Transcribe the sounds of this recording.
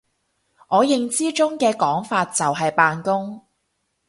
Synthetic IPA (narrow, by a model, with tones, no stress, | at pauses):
ʔɔː˨˧jɪ˨˧ŋt͡siː˥t͡sʊ˥ŋkɛː˧kɔː˨˥ŋfaː˧t̚t͡sɐ˨wɦɐ˨jpaː˨nkʊ˥ŋ